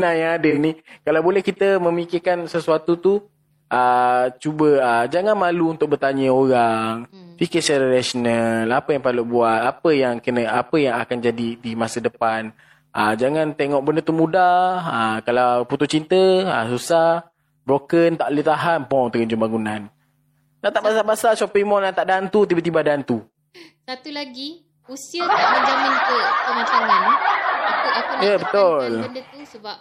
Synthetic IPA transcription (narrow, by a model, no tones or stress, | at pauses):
najaadənikalawbolɛhkit̪əmə̃mikɪrkansəsuat̪ut̪u | ʔət͡ʃubəəd͡ʒaŋanmaluunt̪ʊk̚bərt̪aɲəoɾaŋfikəsaɾənasonəlapəjaŋpalubuat̪̚apəjaŋkənəapəjaŋakand͡ʒadidimasədəpan | ʔəd͡ʒaŋãnt̪eŋɔʔ̚bəndət̪umudaakalawput̪ʊt͡ʃint̪əa̰susah | bɾokənt̪aʔlit̪aɦanpɔt̪əɣəɲd͡ʒumbaŋunãn | t̪aʔt̪aʔbasabasasɔpimɔnant̪aʔdant̪ut̪ibat̪̬ibadant̪u | sat̪ulaɡi | usiək̪amənd͡ʒamãnt̪uəmat͡ʃamanakəajəbət̪olndət̪usəbap̚